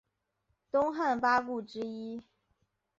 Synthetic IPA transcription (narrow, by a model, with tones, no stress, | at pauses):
t̪ʊ˥ŋxa˥˩npa˥k̬u˥˩ʈ͡ʂɻ̩˥i˥